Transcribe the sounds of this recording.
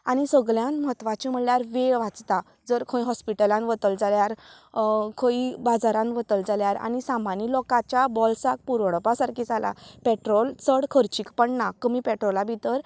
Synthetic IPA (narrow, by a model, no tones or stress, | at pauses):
aɽ̃isəɡɭjãnməɦət̪ʋat͡ɕim̤əɳljaɾʋeɭʋat͡st̪a | d͡zəɾkʰõĩɦɔspiʈəlãnʋət̪əld͡zaljaɾ | kʰõibad͡zaɾãnʋət̪əld͡zaljaɾa̰ñisamanilɔkat͡ɕjabɔlsak̚puɾɽpasaɾkʰid͡zala̰pɛʈɾɔlt͡səɽkʰəɾt͡ɕiːkpəɳnakəmipɛʈɾɔlabʱit̪əɾ